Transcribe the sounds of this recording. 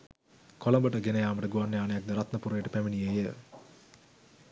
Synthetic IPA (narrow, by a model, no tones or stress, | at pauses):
kʰolɐmbəʈəɡenɐjaːməʈəɡuʋanːejaːnejak̚d̪əɾat̪nəpuɾejʈəpæminijejə